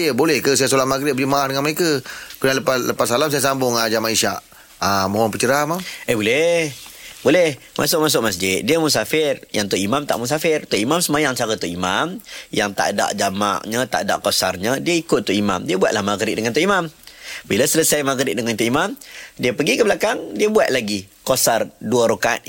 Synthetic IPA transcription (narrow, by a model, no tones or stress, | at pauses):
jəbolɛhkəs̬ajasolahmaɡɾɪʔ̪̚bəlimaʔahdəŋanməɾekakunaləpaləpasalams̬ajas̬ambʊŋad͡ʒamaʔiʃaʔ | amoaŋpət͡ʃəɾamaŋəbolɛhbolɛh | mʔa̰sʊk̚mas̬ʊk̚mas̬d͡ʒɪt̪̚diəmusafɪrjaŋt̪uʔimamt̪a̰ʔmus̬afɪrt̪uʔimamsəmajaŋt͡ʃaɾət̪uʔimamjaŋt̪a̰ʔda̰ʔd͡ʒama̰ʔɲət̪a̰ʔda̰ʔkosarɲədiəikʊt̪ːuʔima̰mdiəbuat̪̚lahmaɡɾɪt̪ʔ̚dəŋant̪uʔimambilasələsajmaɡɾɪʔ̪̚dəŋant̪uʔimamdiəpəɡikəbəlakaŋdiəbuat̪̚laɡikosarduəɾoka̰ʔ